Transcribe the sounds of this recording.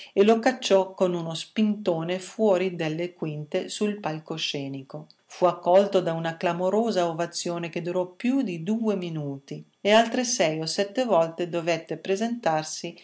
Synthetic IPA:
elokat͡ʃːɔkːonunospint̪oːnefwɔːɾid̪elːekwint̪esuilpalkoʃɛːniko | fuakːɔlt̪od̪aunaklamoɾoːzaovat̪sːjoːnek̟ed̪uɾɔpjud̪id̪uːeminuːt̪i | ealt̪ɾesɛjosɛt̪ːevɔlt̪ed̪ovɛt̪ːepɾezent̪arsi

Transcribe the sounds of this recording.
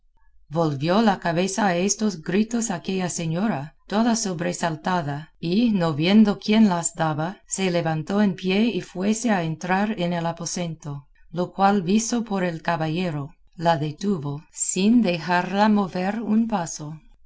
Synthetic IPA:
bolβjolakaβe̞saːest̪osɡɾit̪osake̞ʎase̞ɲo̞ɾat̪oðasoβɾe̞salt̪aðainoβjend̪okje̞nlasd̪aβase̞leβant̪oenpjeifwe̞se̞aent̪ɾaɾenelapo̞se̞nt̪o | lokwalbisopo̞ɾe̞lkaβaʎe̞ɾo | laðe̞t̪uβosind̪e̞xaɾlamo̞βeɾunpaso

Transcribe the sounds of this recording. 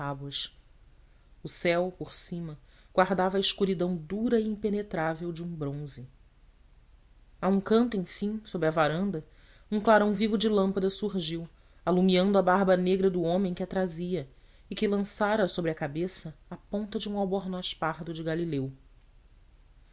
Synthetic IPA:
abwɐʃ | ʊsɛwpoɾsĩmɐɡ̥waɦd̪avɐːɪʃkuɾid̪ɐ̃w̃d̪uɾɐiĩpenet̪ɾavewd͡ʒɪũbɾõzɪ | aũkɐ̃nt̪ʊẽj̃fĩj̃sobɾɪɐvaɾɐ̃nd̪ɐ | ũŋklaɾɐ̃w̃vivʊd͡ʒɪlɐ̃mpɐd̪ɐsuɦʒiw | alumiɐ̃nd̪ʊabaɦbɐneɡɾɐd̪ʊõmẽj̃kʲɪat̪ɾaziɐ | ɪkɪlɐ̃saɾɐsobɾɪɐkabesɐapõnt̪ɐd͡ʒɪũawbɔɾnɔʃpaɦd̪ʊd͡ʒɪɡalilew

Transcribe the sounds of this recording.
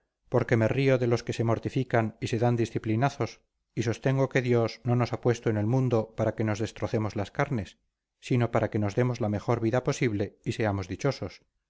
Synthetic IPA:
po̞ɾke̞me̞rioðe̞lo̞ske̞se̞mo̞ɾt̪ifikanise̞ðand̪isθiplinaθo̞s | iso̞st̪e̞ŋɡo̞ke̞ðjo̞zno̞no̞sapwe̞st̪oene̞lmũnd̪o̞paɾake̞no̞zðe̞st̪ɾoθe̞mo̞zlaskaɾne̞sː | ino̞paɾake̞no̞zðe̞mo̞zlame̞xo̞ɾβiðapo̞siβle̞ise̞amo̞zðit͡ʃo̞so̞s

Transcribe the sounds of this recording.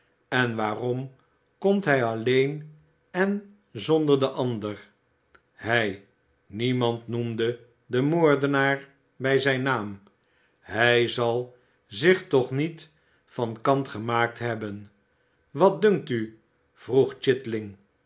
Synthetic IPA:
ɛnʋaːrɔm | kɔmtɦɛjɑlejn | ɛn | zɔndəɹdəʔɑndəɹ | ɦɛj | nimɑntnumdə | dəmoːɹdənaːɹ | bɛjzɛjnaːm | ɦɛjzɑlˠ | zɪχtɔχnit | fɑnkɑntχəmaːk̚tɦɛbən | ʋɑt̚dɵŋk̚ty | v̥ruχt͡ʃɪtlɪŋ

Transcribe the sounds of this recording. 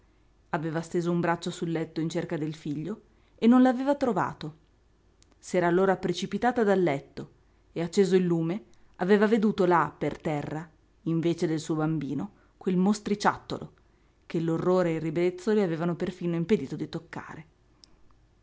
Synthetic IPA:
aveːvast̪eːzoumbɾat͡ʃːosulːɛt̪ːoint͡ʃerkad̪elfiʎːo | enːonlaveːvat̪ɾova̰ːt̪o | sɛːɾaːlːoːɾapɾet͡ʃipit̪aːt̪ad̪alːɛt̪ːo | eat͡ʃːeːzoilːuːme | aveːvaved̪uːt̪olapert̪ɛrːa | iɱveːt͡ʃed̪elsuːobambḭːno | kwelmost̪ɾit͡ʃa̰t̪ːo̰lʔo̰ | k̟elːorːoːɾeːrːibɾet̪sːoleaveːvanoperfiːnoimped̪iːt̪od̪it̪okːa̰ːɾe

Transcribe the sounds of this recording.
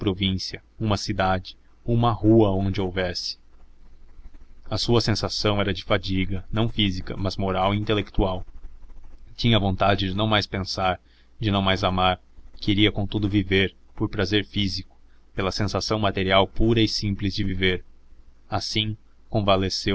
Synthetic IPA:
pɾovĩsiɐ | ũmɐsid̪ad͡ʒɪ̥ | umɐɦuɐõnd͡ʒɪowvɛsɪ̥ | ɐsuɐsẽsasɐ̃w̃ɛɾɐd͡ʒɪfad͡ʒiɡɐnɐ̃w̃fizikɐ̰mɐzmoɾawĩnt̪elek̚t̪uaw | t͡ʃĩɲɐvõnt̪ad͡ʒɪd͡ʒɪnɐ̃w̃majspẽsaɾ | d͡ʒɪnɐ̃w̃majzamaɾ | keɾiɐkõt̪ud̪ʊviveɾ | poɾpɾazeɾfizikʊ̥ | pelɐsẽsasɐ̃w̃mat̪eɾiawpuɾɐɪsĩplɪzd͡ʒɪviveɾ | asĩ | kõvalese

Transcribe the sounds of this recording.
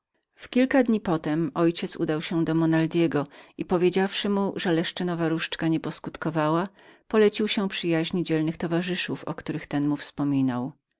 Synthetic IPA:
fkʲilkad̪ɲipɔt̪ɛmɔjt͡ɕɛt̪sud̪awɕɛd̪ɔmɔnald̪ʲjɛɡɔipɔvʲjed͡ʑafʂɘmuʐɛlɛʂt͡ʂɘnɔvaɾuʂt͡ʂkaɲɛpɔskut̪kɔvawa | pɔlɛt͡ɕiwɕɛpʂɘjaʑɲid͡ʑɛlnɘxt̪ɔvaʐɘʂufɔ̰kt̪uɾɘxt̪ɛnmufspɔmʲinaw

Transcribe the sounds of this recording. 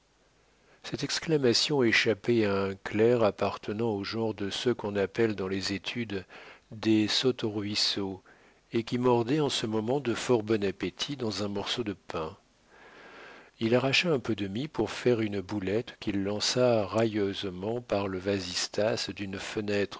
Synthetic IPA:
sɛt̪ɛksklamasjɔ̃eʃapeaɛ̃klɛʁapaʁt̪ʰənɑ̃oʒɑ̃ʁd̪əsəkɔ̃napɛld̪ɑ̃lezet̪ʰyd̪d̪esɔt̪ɔʁɥiso | ekʲimɔʁd̪ɛɑ̃səmɔmɑ̃d̪əfɔʁbɔnapet̪ʰid̪ɑ̃zɛ̃mɔʁsod̪əpɛ̃ | ilaʁaʃaɛ̃pød̪əmipuʁfɛʁynbulɛt̪kʲilːɑ̃saʁajøzmɑ̃paʁləvazist̪asd̪ynfənɛt̪χ

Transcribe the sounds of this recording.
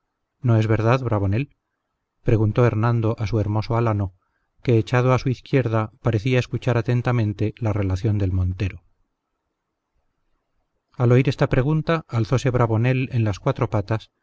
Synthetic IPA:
no̞e̞zβe̞ɾðaðβɾaβ̞o̞ne̞l | pɾe̞ɣunt̪o̞e̞ɾnãnd̪o̞ʔasue̞ɾmo̞soalano̞ | ke̞ːt͡ʃað̞oasuiθkje̞ɾðapaɾe̞θiaeskut͡ʃaɾat̪e̞nt̪amẽ̞nt̪e̞lare̞laθjo̞nd̪e̞lmõ̞nt̪e̞ɾo | alo̞iɾe̞st̪apɾe̞ɣ̞unt̪aːlθo̞se̞βɾaβo̞ne̞lenlaskwat̪ɾo̞pat̪as

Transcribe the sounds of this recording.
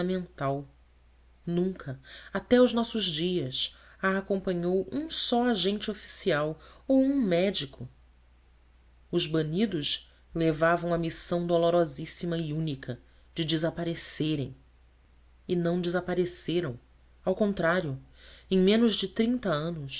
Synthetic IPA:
ɐmẽnt̪aw | nũŋkʰɐat̪ɛʊznɔsʊʒd͡ʒiɐsaːkõmpɐ̃ɲowʔũsɔaʒẽnt͡ʃɪofi̥siawowũmɛd͡ʒikʰʊ | ʊzbɐnid̪ʊʃ | levavɐ̃w̃ɐmisɐ̃w̃d̪oloɾɔzisimɐiũnikʰɐ | d͡ʒɪd͡ʒɪzapaɾeseɾḛ̃j̃ | ɪnɐ̃w̃d͡ʒɪzapaɾeseɾɐ̃w̃ | awkõnt̪ɾaɾjʊẽj̃mẽnʊzd͡ʒɪt̪ɾĩnt̪ɐɐ̃nʊs

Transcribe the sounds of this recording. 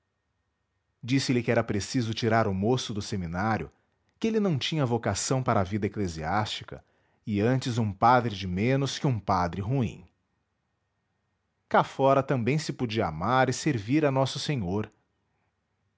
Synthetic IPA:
d͡ʒisɪlɪkɪɛɾɐpɾesizʊt͡ʃiɾaɾʊmosʊd̪ʊseminaɾjʊ̰ | kɪelɪnɐ̃w̃t͡ʃĩɲɐvokasɐ̃w̃paɾɐːvid̪ɐekleziast͡ʃi̥kɐ̰ | ɪɐ̃nt͡ʃɪzũpad̪ɾɪd͡ʒɪmẽnʊskɪũpad̪ɾɪɦuḭ̃ | kafɔɾɐt̪ɐ̃mbẽj̃sɪpod͡ʒiɐamaɾɪseɾviɾɐnɔsʊsẽɲoɾ

